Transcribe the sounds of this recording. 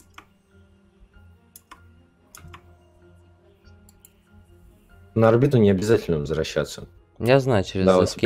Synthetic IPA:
nəɐrbʲit̪ʊnʲɪɐbʲɪzatʲɪlʲnəvzɾɐɕːa̰t̪sːə | jaznajʊt͡ɕɪɾʲɪzɪskʲ

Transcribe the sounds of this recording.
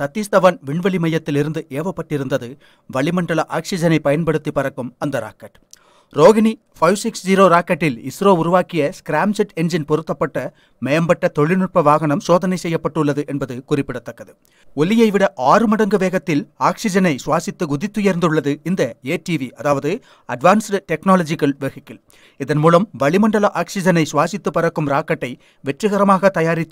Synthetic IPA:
sɐt̪ːist̪ɐʋɐnʋɪɳʋɐɭɪmɐjːɐt̪ːɪlɪɾɯnd̪ɯʔeːʋɐpːɐʈːɪɾɯnd̪ɐðɯ | ʋɐɭɪmɐɳɖɐɭɐʔaːksɪd͡ʒɐnɐɪpːɐjɐnpɐɽɯt̪ːipːɐɾɐkːɯmɐnd̪ɐɾa̰ːkɐʈː | ɾoːɣɪni | fɐɪʋsɪksd͡ʒiːɾoːɾaːkɐʈːɪlɪsɾoːʊɾʊʋaːkɪjɐskɪɾaːmsɪʈɛnd͡ʒɪnpɔɾɯt̪ːɐpːɐʈːɐ | mɐjɐmbɐʈːɐt̪ɔɭɪnɯʈ̚pɐʋaːɣɐɳɐmsoːðɐnɐɪsɛjːɐpːɐʈːɯɭːɐðɯʔɛnbɐðɯkʊrɪpːɪɽɐt̪ːɐkːɐðɯ | ɔlɪjɐɪʋɪɽɐʔaːrɯmɐɽɐŋɡɯʋeːɣɐt̪ːɪlaːksɪd͡ʒɐnɐɪsʊʋaːsɪt̪ːɯɡʊðɪt̪ːɯjɐɾnd̪ɯɭːɐðɯɪnd̪ɐeːʈiːʋiɐðaːʋɐðɯ | ɐɖʋaːnsʈɛknaːlɐd͡ʒɪkɐlʋeɣɪkːɪl | ɪðɐnmuːlɐmʋɐɭɪmɐɳɖɐlɐʔaːksɪd͡ʒɐnɐɪsʊʋaːsɪt̪ːɯpːɐɾɐkːɯmɾaːkːɐʈːɐɪ | ʋɛʈrɯɣɐɾɐmaːɣɐt̪ɐjaːɾɪt̪ː

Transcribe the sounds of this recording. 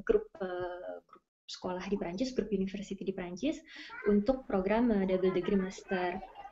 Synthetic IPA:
ɡɾʊp̚əɡ̥ɾʊp̚ | sə̥kolahdipɾaɲt͡ʃɪsɡɾʊp̚unifərsit̪idipɾaɲt͡ʃɪsunt̪ʊk̚pɾoɡɾamədabəldəɡɾimast̪ər

